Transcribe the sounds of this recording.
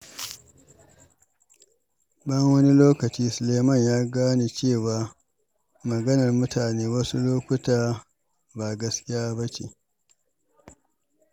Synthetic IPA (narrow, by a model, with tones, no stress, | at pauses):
bɐ˦ŋwɐ˦ni˦loː˦kɐ˨t͡ʃiː˦sʊ˨leː˨mɐ˦˨ɲjaː˦ɡaː˦ni˨t͡ʃeː˦˨waː˨ | mɐ˨ɡɐ˦nɐ˨rmʊ˦taː˨neː˦wɐ˦su˦loː˦kʷʊ˦taː˦ | ba˨ɡɐ˦skʲɪ˦jaː˦bɐ˦t͡ʃḛ˨